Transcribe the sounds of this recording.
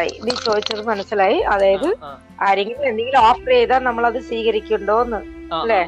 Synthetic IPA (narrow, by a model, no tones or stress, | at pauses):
jḭnit͡ɕo̞ːd̪it͡ɕːɐðɨmɐnɐsːilaːjiʔɐðaːjɐðɨ | aːɾe̞ŋɡilme̞nd̪e̞ŋɡiloːprejðaːnnɐmːɐɭɐðɨsiːɣɐɾikʲːuuɳɖo̞ːnːɨɐlːeː